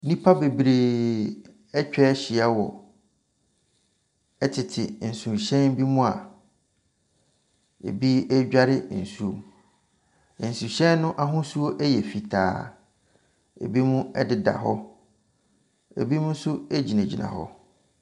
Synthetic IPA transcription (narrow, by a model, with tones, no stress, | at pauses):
nĩ˦pʰa˦be˨bɾeː˨ | ɛ˦t͡ɕᶣɛ˦ɕi˨a˦wɔ˨ | ɛ˦tʰɪ˨tʰɪ˨n̩˨sũ˨ɕɛ̃˦nbi˦mũ˦a˨ | ḛ˨bi˦ɛ˦d͡ʑᶣa˦ɾɪ˦˨n̩˨su˦o˨m˨ | n̩˨sũ˨ɕɛ̃˦nːʊ̃˦ʔa˨ɦʊ̃˦su˦o˦ʔɛ˦jɛ˨fi˨tʰa̰ː˨ | ḛ˨bi˦mũ˦ɛ˦dɪ˦da̰˨ɦɔ˦ | ḛ˨bi˦mũ˦n̩˦sʊ˦e˦d͡ʑi˨næ̃˨d͡ʑḭ˨nʔã̰˨hɔ̰˦